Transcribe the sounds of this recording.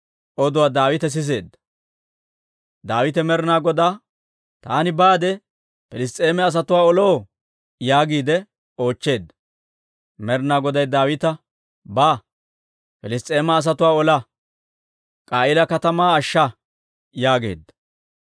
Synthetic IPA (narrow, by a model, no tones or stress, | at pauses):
ʔɔd̪ʊwaːd̪aːwɪt̪ɛs̬ɪs̬e̞ːd̪ːɐ̥ | d̪aːwɪt̪ɛmɛɾnaːɡɔd̪aː | t̪aːnɪbaːd̪ɛ | pɛlɪs̬t̪ʼe̞ːmɛɐs̬ɐt̪ʊwaːɔloː | jaːɡiːd̪ɛ | o̞ːt͡ʃːe̞ːd̪ːɐ̥ | mɛɾnaːɡɔd̪ɐjd̪aːwɪt̪ɐ | baː | pɛlɪst̪ʼːe̞ːmɐːs̬ɐt̪ʊwaːɔlɐ | kʼaːɪlɐkɐt̪ɐmaːʃːɐ | jaːɡe̞̰ːd̪ːɐ̥